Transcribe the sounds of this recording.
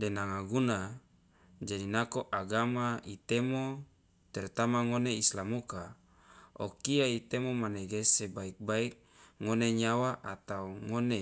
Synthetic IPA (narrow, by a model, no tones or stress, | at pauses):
denaŋaɡuna | d͡ʒadinakoʔaɡamait̪emo | t̪ɛrt̪amaŋoneislamuka | o̰kiait̪emomaneɡesebaik̚baik̚ | ŋoneɲawaʔat̪auŋone